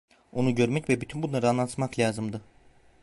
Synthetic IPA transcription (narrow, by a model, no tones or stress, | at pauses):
o̞nuɟø̞ɾmɛcvɛbyt̪ʰynbunˠaɾɯanlˠant̪ʰmaklʲaːzɯmd̪ɯ